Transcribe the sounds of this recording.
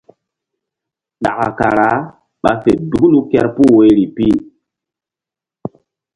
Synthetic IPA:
ɗa̰˨ka̰˨ka˨ɾa˨˦ | ɓa̰˨fe˨du˨ɡlu˦kɛ˦ɾpu˦we˨˦jɾi˨pi˦

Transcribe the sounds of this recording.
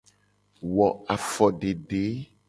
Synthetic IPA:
wɔ˨a˨fɔ˨ɖe˨ɖe˨˦

